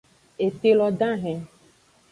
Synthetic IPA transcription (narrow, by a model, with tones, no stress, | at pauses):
e˨te˦lɔ˧ɖã˦ɦɛ̃˨